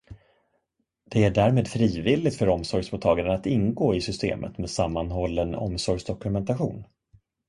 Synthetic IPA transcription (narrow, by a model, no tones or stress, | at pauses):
d̪̥ɛæɖæːɾmeːd̪fɾiːvɪlːɪɡt̪fœɾɔmsɔɾjsmʊːt̪ʰːɑːɡaɾənat̪ɪnɡoːɪsʏst̪ḛːmʔə̰t̪meːd̪samːanɦɔlːənɔ̰msɔɾjsd̪ɔkɵmɛnt̪aɧuːn